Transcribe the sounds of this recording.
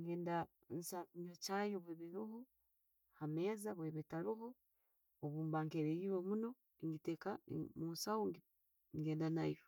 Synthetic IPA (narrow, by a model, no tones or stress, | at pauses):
ŋɡeːnda | nsakiɲot͡ʃajoβweːβiɾuhu | hamezaβweβetaɾuɦo | oβuːmbaːŋkeɾejiβomuno̞ | eŋɡitekamuːnsawoŋɡi | ŋɡeːndana̰jo